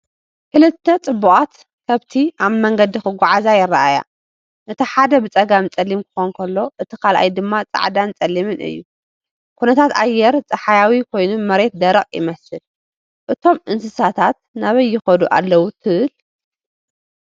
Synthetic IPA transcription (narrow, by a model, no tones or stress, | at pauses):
kʰɨlɨt̪ʰːɐt͡sʼɨbːuʔʼat̪ | kʰɐβt̪ʰiʔaβmɐŋɡɐd̪ixɨɡʷaʕazajɪrːaʔaja̰ | nɨt̪ʰɐħad̪ɐbɨt͡sʼɐɡamt͡sʼɐlːimkʰɨ̥xonkʰɐlːo̞ʔɨt̪ʰikʰalʔa̰jd̪ɨmːat͡sʼa̰ʕd̪ant͡sʼɐlːimɨnʔɨ̰jːṵ | kʰunɐt̪ʰat̪a̰jːɛɾt͡sʼɐħajawikʰo̞jnumɐɾe̞t̪̚d̪ɐɾɐχʼjɪ̰mɐsɨl | ʔɨt̪ʰo̞mʔɨnsɨsat̪ʰat̪̚naβɐjːɪxɐd̪uʔa̰lːɐwut̪ʰɨʔɨl